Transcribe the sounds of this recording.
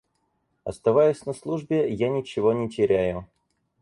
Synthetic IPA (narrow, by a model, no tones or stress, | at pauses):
ɐ̰st̪ɐvajʊsʲnɐslˠuʐbʲɪjanʲɪt͡ɕɪvo̞nʲɪtʲɪɾʲæjʊ